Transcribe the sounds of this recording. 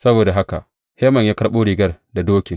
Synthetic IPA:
sɐ˦boː˨da˨ɦa˦ka˨ʔ | heː˦mɐ˨ɲjaː˦kɐ˦ɽɓoː˦ɽiː˨ɡɐ˦rda˨doː˦kʲɪ˨ŋ

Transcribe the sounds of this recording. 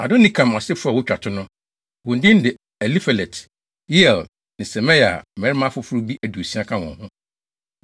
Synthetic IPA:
a˨dõ˦nĩ˦˨kʰã˨mã˨sɪ˦fʊ˦a˨wʊ˦t͡ɕᶣa˨tʰʊ˦nʊ̃˦ | wʊ˨n̩˨dɪ̃˦n˦dɪ˨ | ɛ˨li˦fɛ˨lɛ˨tʰ | ji˦ɛ˨l | nɪ̃˨sɛ˨mɛ̃˦ja̰˨mɛ̃˨ɾɪ˦mã˦fʊ˦fʊ˦ɾʊ˦bi˦ʔæ˨du˨sĩ˦ã˦kʰã˦wɔ̰̃˨nhʊ̃˦

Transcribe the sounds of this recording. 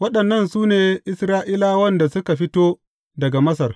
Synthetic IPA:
wɐ˦ɗɐ˨nːɐ˦nsuː˦neː˨ʔɪ˦sɾaː˦ʔiː˦laː˦wɐ˦nda˨sʊ˦ka˨ɸɪ˦toː˦ | dɐ˨ɡa˨mɐ˦sɐ˨r

